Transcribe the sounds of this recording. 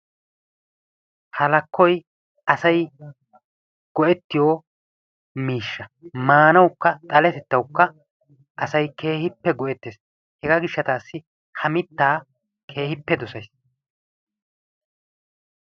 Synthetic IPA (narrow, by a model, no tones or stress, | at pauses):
hɐlɐkːɔj | ɐsɐj | ɡ̥ɔʔɛt̪ːɪjoː | miːʃːɐmaːnɐwkːɐt̪ʼɐlɛt̪ɛt̪ːɐwkːɐ | ʔɐsɐjke̞ːhɪpːɛɡɔʔɛt̪ːeːs | hɛɡaɡɪʃːɐt̪aːsːɪ | hɐmɪt̪ːaː | kʰe̞ːhɪpːɛd̪ɔsɐjs